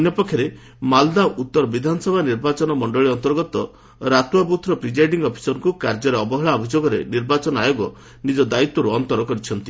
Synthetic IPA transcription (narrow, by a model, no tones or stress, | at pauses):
njɔpɔkʰjɔɾe | mald̪aut̪ːɔɾɔbid̪ʱanɔsɔbʱaniɾbat͡ʃɔnɔmɔɳɖɔɭiɔnt̪ɔɾɡɔt̪ɔ | ɾat̪wabut̪ʰɾɔpɾid͡ʒajɖiŋɡɔpʰi̥sɔnkukaɾd͡ʒɔɾeɔbɔɦɔɭaɔbʱid͡ʒoɡɔɾḛniɾbat͡ʃɔnɔajoɡɔ | nid͡ʒɔd̪ait̪ːɔɾuɔnt̪ɔɾɔkɔɾit͡ʃʰɔnt̪i